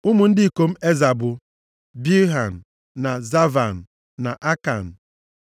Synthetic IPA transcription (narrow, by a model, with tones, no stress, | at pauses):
ʊ˦mʊ˨n̩˦dɪ˦˨ko˨m̩˦e˦za˨bʊ˨ | bi˦ɦa˨n̩˨ | na˨za˦va˨n̩˨ | na˨ʔa˦ka̰˨n̩˨